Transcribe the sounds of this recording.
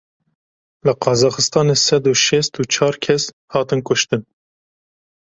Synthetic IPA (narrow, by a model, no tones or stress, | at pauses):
lɨqʰɑzɑːxɨst̪ɑːneːsɛd̪uʃɛst̪ut͡ʃʰɑːɾkʲʰɛs | hɑːt̪ɨnkʊʃt̪ɨn